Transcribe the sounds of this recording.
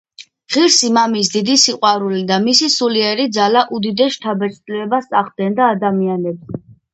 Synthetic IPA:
ʁiɾsimamis̬d̪id̪isiqʼwaɾulid̪amisisuliɛɾid̪zalaʔud̪id̪ɛsʃt̪ʰabɛt̪sʼt̪ʼliɛbasʼaʁ̚ɡɛnd̪aːd̪amianɛbzɛ

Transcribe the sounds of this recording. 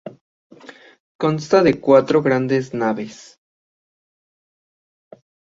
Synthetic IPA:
ko̞nst̪aðe̞kwat̪ɾoɣɾand̪e̞znaβes

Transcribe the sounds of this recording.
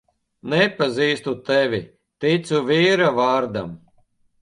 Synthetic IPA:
nɛpaziːst̪ut̪ɛvʲi | t̪it̪suviːɾavaːɾd̪a̰m

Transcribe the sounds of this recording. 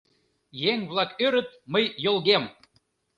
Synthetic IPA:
jeŋβlɑkøɾə̆t̪̚məjːolˠɣem

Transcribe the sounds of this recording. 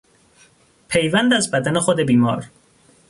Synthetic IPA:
pʰe̞jvænd̪æzbæd̪ænexod̪e̞biːmɒ̰ːɾ

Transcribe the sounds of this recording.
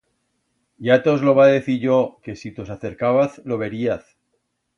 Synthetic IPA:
jat̪ozlo̞βaðe̞θiɾʝo̞ke̞sit̪osaθe̞ɾkaβaθlo̞βe̞ɾiaθ

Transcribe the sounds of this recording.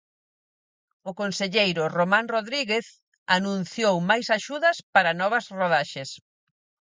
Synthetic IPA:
ʊkonseʎejɾʊromãnroðɾiɣeθ | anũn̟θjowmajsaʃuðɐspaɾɐnɔβ̞ɐsroðaʃɪs

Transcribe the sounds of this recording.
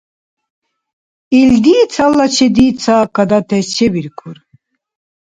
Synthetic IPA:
ild̪iːt͡sʰalːat͡ʃʰɛd̪iːt͡sʰaːkʰad̪at̪ʰɛst͡ʃʰɛbiɾkʰuɾ

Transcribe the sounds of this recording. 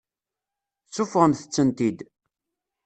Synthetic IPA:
t͡sːʊfʁəmθə̥t͡sːənt̪id̪

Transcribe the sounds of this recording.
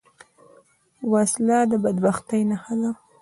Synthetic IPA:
waslɑd̪əbad̪baxt̪ajnaxala

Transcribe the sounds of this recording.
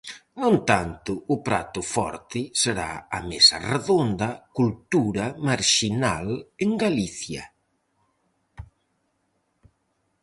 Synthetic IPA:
nõnt̪ant̪ʊːpɾa̰t̪ʊfɔ̰ɾt̪ɪseɾa̰ɐmesɐ̰reðond̪ɐkult̪uɾɐmaɾʃinaleŋɡaliθjɐ̰

